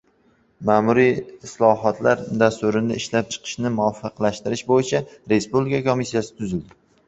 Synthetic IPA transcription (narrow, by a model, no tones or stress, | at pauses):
maːmʊɾiɪslɒɦɒt̪ʰlaɾd̪ast̪ʊɾɪnd̪a̰ɪʃlap̚t͡ʃʰɨ̥qʰɨ̥ʃnɪmʊɒfːɨqlaʃt̪ɪɾɪʃbojɪt͡ʃʰaɾe̞spublɪkʰakʰomisːijasɪ̥t̪ʰʊzɪld̪ɪ